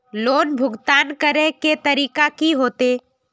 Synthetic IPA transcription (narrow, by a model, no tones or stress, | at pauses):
loːnbʱʊɡt̪aːnkəɾẽket̪ɐɾiːkakiɦoːt̪eː